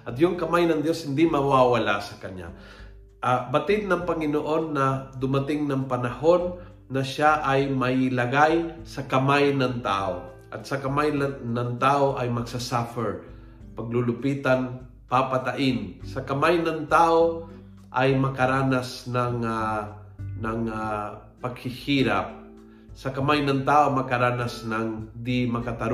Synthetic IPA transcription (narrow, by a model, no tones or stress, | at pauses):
ʔɐt̪jʊŋkɐmajnɐŋd̪jo̞shɪnd̪imɐwawɐlasɐkɐɲa̰ | ʔabɐt̪ɪd̪̚nɐŋpɐŋɪnoʔo̞nːɐd̪ʊmat̪ɪŋnɐŋpɐnɐho̞nː | ɐʃaʔajmɐɪlɐɡajsɐkɐmajnɐŋt̪a̰ːʔo | ʔɐ̰t̪̚sɐkɐmajnɐŋt̪aːʔoʔɐjmɐɡ̚sasafɛɹ | pɐɡ̚lʊlʊpiːt̪an | papat̪aʔɪnsɐkɐmajnɐŋt̪aːʔo | ʔajmɐkɐɾaːnasnaŋa | nɐŋa | pɐɡ̚hɪhiɾa̰p̚ | sɐkɐmajnɐŋt̪aːʔomɐkɐɾaːnasnaŋd̪ɪmɐkat̪ɐɾ